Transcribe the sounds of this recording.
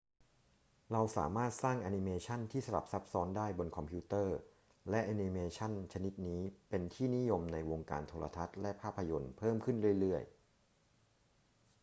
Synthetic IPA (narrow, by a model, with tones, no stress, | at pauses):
ɾa˧wsa̰ː˩˦maː˥˩t̪̚saː˥˩ŋʔa˧ni˧meː˧t͡ɕʰa˥˩nt̪ʰiː˥˩sa˧la̰˨˩p̚sa˦˥p̚sɔː˦˥ndaː˥˩jbo˧nkʰɔ˧mpʰuː˦˥t̪ɤː˥˩ | lɛ˦˥ʔaː˧ni˧meː˧t͡ɕʰa˥˩nt͡ɕʰa˧ni˦˥t̪̚niː˦˥pe˧nt̪ʰiː˥˩ni˦˥jo˧mna˧jwo˧ŋka̰ː˧nt̪ʰoː˧ɾʔa̰˧t̪ʰa˦˥t̪̚lɛ˦˥pʰaː˥˩pʰːa˧jo˧npʰɤː˥˩mkʰɯ˥˩nɾu˥˩əjɾɯ˥˩əj